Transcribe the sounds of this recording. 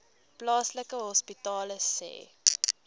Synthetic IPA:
plɑːsləkəɦɔspitɑːləsɛ̰ː

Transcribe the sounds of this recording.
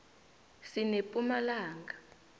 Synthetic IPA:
sinepʼumalaːŋɡa

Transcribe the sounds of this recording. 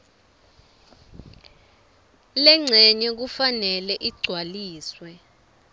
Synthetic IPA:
lɛŋ͡ǀʱɛɲɛk̬ufanɛlɛʔiɡ͡ǀʱwaliːswɛ

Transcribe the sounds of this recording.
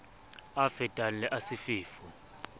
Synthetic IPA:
afɛtʼanlɛʔasifiːfu

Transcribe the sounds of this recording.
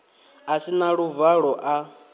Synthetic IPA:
asinaɺuvaɺɔʔa

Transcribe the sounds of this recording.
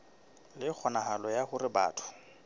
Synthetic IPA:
lɪk͡xʰɔnaɦalɔjahʊɾɪba̰ːtʰʊ̥

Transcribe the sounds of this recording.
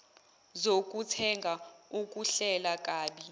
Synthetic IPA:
zok̬ʼutʰɛŋɡʱaukʼuɬɛlakʼaːɓi

